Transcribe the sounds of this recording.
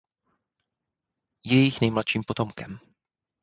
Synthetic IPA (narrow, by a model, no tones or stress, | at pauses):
jɛjɪxnɛjmlat̪ʃiːmpot̪o̞mkɛm